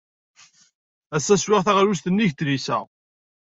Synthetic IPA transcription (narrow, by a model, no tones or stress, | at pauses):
æsːæswɪʁθæʁɾust̪ənːiʝt̪lisæ̰